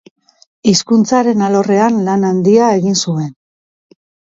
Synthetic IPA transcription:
iskunt͡saɾe̞nalo̞re̞anlanand̪iae̞ɣinsue̞n

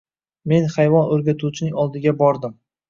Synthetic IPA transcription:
me̞nhajvɒnoɾɡʲat̪ʰuwt͡ʃʰɪnɪŋɒlˠd̪ɪɡʲabɒɾd̪ɪm

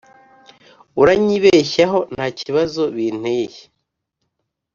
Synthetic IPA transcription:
uɾaɲiβeçaɦo̞n̥haːciβazo̞βiːn̥heje̥

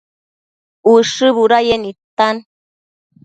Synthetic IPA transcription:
uʂɨβuɾajenit̪an

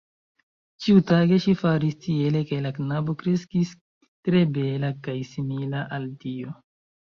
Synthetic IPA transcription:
t͡ʃiutaɡe̞ʃifaɾistie̞le̞kelaknabo̞kɾeskis | tɾe̞be̞lakajsimilaʔaldio̞

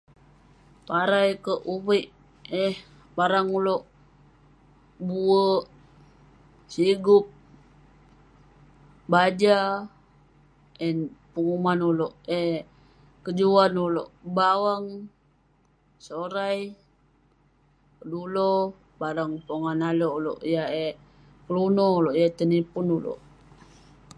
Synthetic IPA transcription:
paɾajkəʔuwiʔ | ɛh | baɾaŋuloʔ | buəʔ | siɡup̚ | bad͡ʒa | ɛnpəŋumanulɔʔɛh | kəd͡ʒuanuloʔbawaŋ | soɾaj | kədulo | baɾaŋpoŋanaloulo̰ʔjae | kəlunɔuloʔjat̪ənipʊnulo̰ʔ

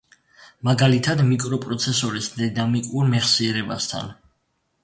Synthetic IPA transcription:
maɡalit̪ʰad̪mikʼɾɔpʼɾɔt̪sʰɛsɔɾisd̪inamikʼuɾmɛχsiɛɾɛba̰st̪ʰa̰n

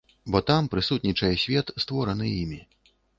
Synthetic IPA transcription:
bɔt̪ampɾɨsut̪nʲit͡ʂɐjɛsʲvʲɛt̪st̪vɔɾɐnɨjimʲi

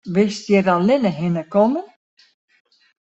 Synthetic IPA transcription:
ʋɪstjɛralɪnəɦɪnəkɔmən

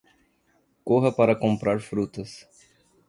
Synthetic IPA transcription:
koɦɐpaɾɐkõpɾaɾfɾut̪ɐs

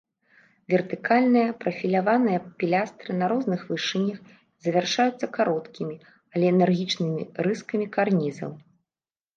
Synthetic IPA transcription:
vʲɛrt̪ɨkalʲnɨjɐpɾɐfʲilʲavanɨjɐpʲilʲast̪ɾɨnɐɾɔznɨxvɨʂɨnʲːɐx | zɐvʲarʂajut̪sːɐkaɾɔt̪kʲimʲi | alʲɛːnɛrɣʲit͡ʂnɨmʲḭɾɨskɐmʲikarnʲizɐ̰w

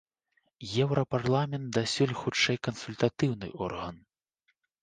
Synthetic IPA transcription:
jɛwɾɐparlˠamʲɛnt̪̚d̪asʲulʲxut͡ʂɛjkɐnsulʲt̪at̪ɨwnɨ̰ʔɔ̰rɣɐn

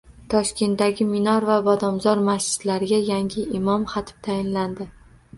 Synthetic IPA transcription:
t̪ʰɒʃkʲe̞nt̪̚daɡʲɪmɪnɒɾvabɒd̪ɒmzɒɾmasd͡ʒɪd̪̥laɾɪɡʲajaŋɡʲɪɪmɒmχɑt̪ʰɪ̥p̚t̪ʰajɪnland̪ɪ

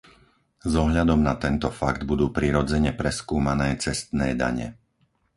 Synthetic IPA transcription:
zɔɦʎad̪ɔmnat̪ɛnt̪ɔfaɡd̪bud̪uːpɾiːɾɔd͡zɛɲɛpɾɛskuːmanɛːt͡sɛst̪nɛːd̪a̰ɲɛ̰

